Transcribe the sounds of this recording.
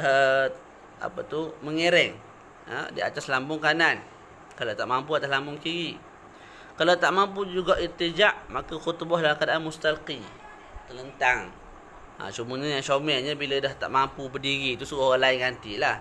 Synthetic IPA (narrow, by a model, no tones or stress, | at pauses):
ə | a̰pət̪uməŋeɾɛŋ | ə̰dia̰t̪aslambʊŋkanan | kalat̪aʔmampuat̪aslambʊŋkiɾi | kalat̪aʔmampud͡ʒuɡaʔirt̪id͡ʒaʔmakəxut̪bɔhlakadaʔanmust̪alqi | t̪ələnt̪aŋ | a̰sumuɲajaŋsomɛʔɲabiladaht̪a̰ʔmampubədiɾit̪usuaoɣaŋlaɪnɡant̪ilah